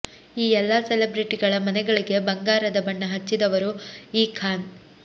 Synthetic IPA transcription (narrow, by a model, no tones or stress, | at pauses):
iːɛlːɐselebɾiʈiɡɐɭɐmɐnɛɡɐɭiɡe̞bɐŋɡaːɾɐd̪ɐbɐɳːɐɦɐt͡ʃːid̪ɐʋɐɾuiːkʰaːn